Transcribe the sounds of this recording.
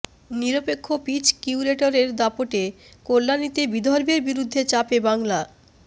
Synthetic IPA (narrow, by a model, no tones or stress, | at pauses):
niɾopekʰːopit͡ɕkiuɾeʈoɾeɾd̪apoʈe | kolːanit̪ebid̪ʱɔɾbeɾbiɾud̪ʱːet͡ɕapebaŋla